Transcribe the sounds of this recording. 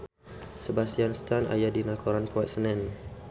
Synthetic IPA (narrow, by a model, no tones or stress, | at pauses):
səbasianst̪ana̰jadinakʰoɾanpuat̪̚sənɛn